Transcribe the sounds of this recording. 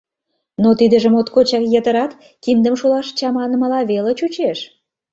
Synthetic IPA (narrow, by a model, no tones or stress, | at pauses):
not̪id̪ə̆ʒə̆mot̪kot͡ɕɑkjət̪ə̆ɾɑt̪ | kind̪əmʃolɑʃt͡ɕɑmɑnəməlɑβelet͡ɕut͡ɕeʃ